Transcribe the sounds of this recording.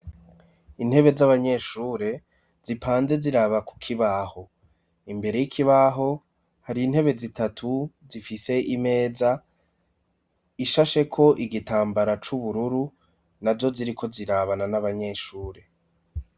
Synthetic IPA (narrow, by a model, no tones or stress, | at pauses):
in̥he̞βe̞zaβaɲe̞ʃuːɾe̞ | z̥ipʰaːnze̞ziɾaβaku̥kʰiβaho̞ | imbe̞ɾe̞jikʰiβaɦo̞ | haɾiːn̥he̞βe̞zitatʰu | zifise̞ʔime̞ːza | iʃaʃe̞kʰo̞ʔiɡitaːmbaɾat͡ʃuβuɾuɾu | nazzo̞ziɾikʰo̞ziɾaβananaβaɲe̞ʃuːɾe̞